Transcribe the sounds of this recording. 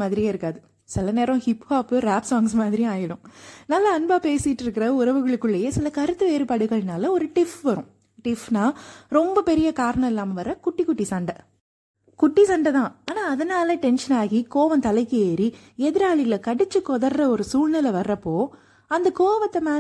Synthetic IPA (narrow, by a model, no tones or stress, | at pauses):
maːðɪɾɪjaːɪɾɯkːaːðɯ | sɪlɐneːɾɐ̃hɪphaːpːɯɾaːpsaːŋɡsmaːðɪɾij̃aːjɐɽʊ̃nɐːlːɐɐnbaːpeːsɪʈːɪɾɯkːɪɾɐʊɾɐʋɯɣɐɭɯkːɯɭːɐjeːsɪlɐkɐɾɯt̪ːɯʋeːɾɯpaːɽɯɣɐɭnaːlɐɔɾɯʈɪfʋɐɾʊ̃ | ʈɪfnaːɾɔmbɐpɛɾɪjɐkaːɾɐɳɐ̃ɪlːaːmɐʋɐɾːɐkʊʈːikːʊʈːisɐɳɖɐ | kʊʈːisɐɳɖɐðãːaːnaːɐðɐnaːlɐʈɛnʂɐnaːɣikoːʋɐnt̪ɐlɐɪkːɯeːɾi | ɛðɪɾaːɭɪɣɐlɐkɐɽɪt͡ʃːɯkɔðɐɾdɐɔɾɯsuːɻnɐlɐʋɐɾːɐpːoː | ɐnd̪ɐkoːʋɐt̪ːɐmaː